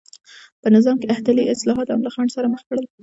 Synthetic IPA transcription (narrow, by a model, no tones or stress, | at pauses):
pənɪzɑmkeaht̪aliʔɪslɑɦɑt̪a̰mlɑxɑɳsaɾaməxpaɽəl